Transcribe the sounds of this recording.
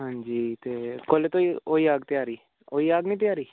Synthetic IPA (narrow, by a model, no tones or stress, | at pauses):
ɦãːɲd͡ʒiːt̪eːkolet̪õːioːiːaːɡt̪ɪjaːɾiː | oːiːaːɡnĩːt̪̬ɪjaːɾiː